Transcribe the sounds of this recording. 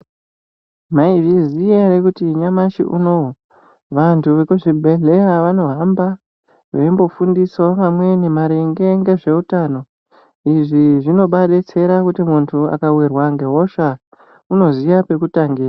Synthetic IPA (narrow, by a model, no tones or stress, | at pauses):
maivizijeɾekutiɲamaʃḭʔṵnoo | ʋantʰuʋe̞kuʐibʱeɮe̞jaʋano̞ɦamba | ʋe̞mbo̞fundiso̞ʋamwe̞nimaɾeŋɡe̞ŋɡe̞ʐe̞utaːno̞ | iʐiʐino̞ɓaɗet͡se̞ɾakutimuntʰua̰kawirwaŋɡe̞ɦo̞ʃa | uno̞zijape̞kutaŋɡiːra